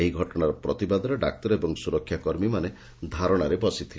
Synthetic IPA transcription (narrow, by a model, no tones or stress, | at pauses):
eɦiɡʱɔʈɔɽ̃aɾɔpɾɔt̪ibad̪ʱɔɾeɖak̚t̪ɔɾebɔŋsuɾɔkʰːjakɔɾmimane | d̪ʱaɾɔɽ̃aɾebɔsit̪ʰil